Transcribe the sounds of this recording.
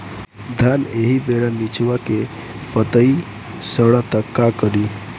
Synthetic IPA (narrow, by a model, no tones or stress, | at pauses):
d̪ʱaneɦibeɽanit͡ʃwake | pət̪əi | səɽat̪əkːakəɽi